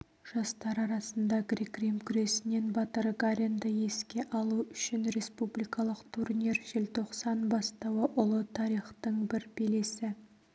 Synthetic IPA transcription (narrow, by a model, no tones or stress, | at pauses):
ʒ̥ɑst̪ɑɾɑɾɑsənd̪ɑɡrikrimkʲʰʏɾe̞sɪne̞nbɑt̪əɾɡaɾʲend̪əje̞skʲe̞ʔɑlˠuʏʃɪnɾe̞spublijkɑlˠəqt̪ʰurnʲirʒ̥ɪlt̪ʰo̞qsɑnbɑst̪ɑwəʔʊlˠət̪ʰɑɾijχt̪əɴbɪɾbelesɪ